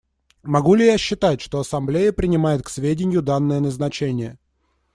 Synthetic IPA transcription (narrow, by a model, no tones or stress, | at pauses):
mɐɡulʲɪjaɕːɪt̪atʲʂt̪o̞ɐsɐmblʲejəpɾʲɪnʲɪmajɪt̪̚ksvʲedʲɪnʲjʊd̪anːəjənəznɐt͡ɕenʲɪjə